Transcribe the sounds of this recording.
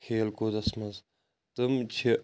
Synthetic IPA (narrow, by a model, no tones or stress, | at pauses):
kʰeːlkoːd̪ɐsmɐz | t̪ɨmt͡ʃʰi